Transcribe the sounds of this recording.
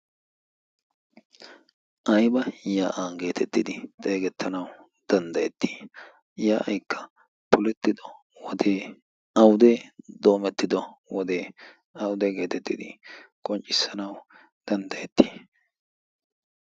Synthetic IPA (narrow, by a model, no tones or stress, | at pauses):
ʔɐjbɐjaːʔaːɡe̞ːt̪ʰɛt̪ːɪd̪ɪt̪ʼeːɡɛt̪ʰːɐnɐw | d̪̥ɐnd̪ɐjɛt̪ːi̥ː | jaːʔɐjkʰːɐ̥ | pʊlɛt̪ːɪd̪ɔ | wɔd̪eː | ɐwd̪eːd̪o̞ːmɛt̪ːɪd̪ɔwɔd̪e̞ː | ɐwʊd̪eːɡe̞ːt̪ɛt̪ːɪd̪ɪkʼɔnt͡ʃʼːɪsːɐnɐw | d̪̥ɐnd̪ɐjɛt̪ːi̥ː